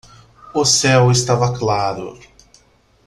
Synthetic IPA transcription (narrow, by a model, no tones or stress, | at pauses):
ʊsɛwɪst̪avɐklaɾʊ̰